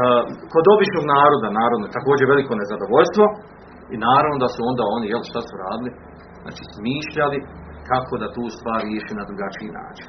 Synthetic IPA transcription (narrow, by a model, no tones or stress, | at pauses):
əko̞d̪o̞bit͡ʃno̞ɡnaːɾo̞d̪anaːɾo̞d̪not̪ako̞ːd͡ʑeɾʋe̞liko̞ne̞zad̪o̞ʋo̞ʎst̪ʋo̞ | inaːɾaʋno̞d̪asuo̞nd̪aːo̞nijelʃt̪asuɾaːd̪ili | za̰ːt͡ʃi̥ːsmiːʃʎali | kakʰo̞d̪at̪uːst̪ʋaːɾɾjeʃiːnad̪ɾuɡat͡ʃiːna̰ːt͡ʃi̥n